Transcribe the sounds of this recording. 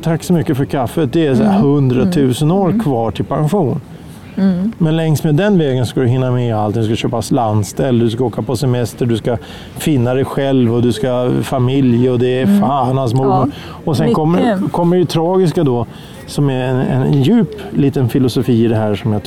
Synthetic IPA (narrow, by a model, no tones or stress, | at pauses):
t̪ʰakːsɔmʏkːəfœɾkʰafːət̪̚d̪ɛæsahɵnd̪ɾat̪ʰʉ̟ːsənoːɾkʰvɑːʈʰɪlpʰanɧuːn | mɛnlɛŋst̪meːd̪ːɛnvɛːɡənsɔskad̪ɵɦɪnːamɛalt̪ɪnd̪ɵskaɕøːpasland̪st̪ɛlːəd̪ɵskaoːkapʰɔsɛmɛst̪əɖɵska | fɪnːad̪ɛjɧɛlvɔd̪ɵskafamɪljɔd̪ɛːfaːnalsmʊɔ | ɔsɛnkʰɔmːəkʰɔmːəɖɛjət̪ʰɾɑːɡɪskad̪ɔ | sɔmɛɛ̰njʉ̟ːpliːt̪ənfɪlʊsʊfiːɪd̪ɛɦæːʂɔmja